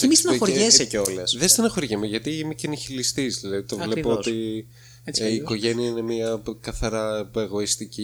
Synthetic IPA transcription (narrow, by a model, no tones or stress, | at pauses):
cemist̪enɐoɾeseeolɐsðest̪enɐxo̞ɾʝɐmeʝɐt̪imiceniçilist̪izðilɐðit̪ovle̞oot̪i | iːko̞ʝe̞niɐine̞miɐkɐθɐɾɐpeɣoist̪ici